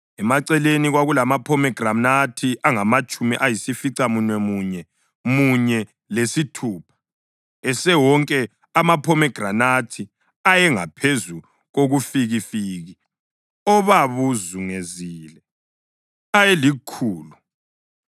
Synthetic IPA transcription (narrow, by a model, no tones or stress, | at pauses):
ɛmaǀɛleniɣwaɣulamapʰɔmɛɡ̥ranatʰiʔaŋamat͡ʃʼumiʔajisifiǀamunwɛmuɲɛ | muɲɛ | lesitʰuːpʰḁ | ɛsɛwɔŋkʼɛ | amapʰɔmɛɡ̥ranatʰi | ajɛŋa̰pʰezu | ɣoɣufiɣifiːɣi | ɔβaβuzuŋeziːlɛ | ajelikʰuːlu